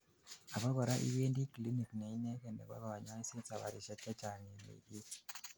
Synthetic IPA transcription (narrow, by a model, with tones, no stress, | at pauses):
a˨pa˦ɡa˨ɾa˦ʔḭ˦ʋe˦ndi˦kli˦ni˨kne˨i˦ne˦ke˨ndḛ˨ka̰˦ka˨ʋa˨ɲa˦ɲi˦si˦t͡sa˨ʋa̰˨ɾi˨ʃa˦t͡ʃa˦t͡ʃa˨ne˨nḛ˨ɗi˦